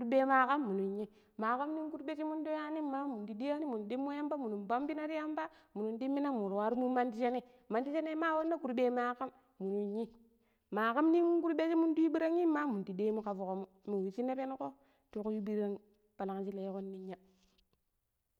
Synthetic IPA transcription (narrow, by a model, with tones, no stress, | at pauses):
ku˦ɾbe˦ma˨˦ka˦mːu˨nu˨ɲːi˦ | ma˨ka˦mni˦ŋku˦ɾbe˦t͡ʃi˦mu˦ndo˦ja˦ni˦mːa˦mu˨ndi˨di˦ja˦ni˦mu˨n˨de˦mːo˦ja˦mba˦mu˨nu˨mba˦mbi˦na˦ɾi˦ja˦mba˦mu˨nu˨ndi˦mːi˦na˦mu˨ɾwa˦ɾu˦mu˦ma˦ndi˦t͡ʃe˦ne˦ | ma˨ndi˦t͡ʃe˦ne˦ma˦wo˦nːa˦ku˨ɾbe˦ma˨ka˦mː | u˨nu˨ɲːi˦ | ma˨ka˦mni˦n˦ku˦ɾbe˦t͡ʃi˦mu˦ndu˦ji˦bi˦ɾa˦ŋji˦mːa˦mu˨di˨de˦mu˦ka˨vu˨ko˨mu˦mu˨wi˨t͡ʃi˦na˦pe˦n˦ko˦ | tu˦ku˦ju˦bi˦ɾa˦ŋ | pa˨la˨ŋt͡ʃi˦le˨jko˦nːi˦ɲːa˦